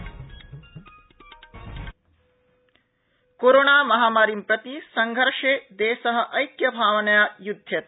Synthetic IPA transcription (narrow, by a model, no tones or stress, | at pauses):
koɾoːnaːmɐɦaːmaːɾimpɾɐt̪isɐŋɡʱɐɾʂeːd̪eːsɐɦɐ̆ʔɐjkjɐbʱaːʋɐnɐjaːjud̪ʱjɐt̪